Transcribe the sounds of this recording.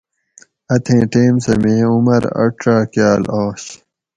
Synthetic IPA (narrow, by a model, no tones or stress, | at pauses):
ɐt̪ʰẽːʈeːmsɐmẽːumɐɾɐ̰ʈɾaːkjaːlaːɕ